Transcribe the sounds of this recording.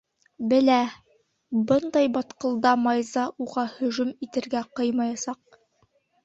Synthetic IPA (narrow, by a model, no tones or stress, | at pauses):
bɘ̆læ | bɤnd̪ɑjbɑt̪qɤ̆lˠd̪ɑmɑjzɑʔuʁɑhɵ̆ʒɵmit̪ɘ̆ɾɡæqɤjmɑjɑsɑq̚